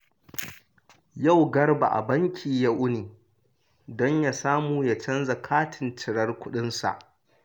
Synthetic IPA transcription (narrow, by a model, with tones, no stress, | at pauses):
ja˦˨wɡɐ˦ɽba̰˨ʔa̰˨bɐ˦ŋkʲʰiː˨ja˦ʔʊ˦niː˨ | dɔ˦ɲja˨saː˦muː˨ja˨t͡ʃɐ˦nza˨kʰaː˦tʰɪ˨ntɪ˨ɽɐ˦rkʷʊ˦ɗɪ˦nsa̰˨ʔ